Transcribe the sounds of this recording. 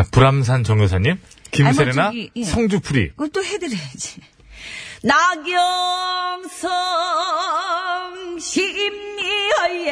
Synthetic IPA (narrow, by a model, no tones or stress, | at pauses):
apuɾams̬ʰant͡ɕʌŋɡosʰaɲːimkimsʰeɾenasʰʌŋd͡ʑupʰuɾḭkɯt͈ohedɯɾed͡ʑi̥ | naɡjʌmsʰʌ | ŋɕiːmɲiʌje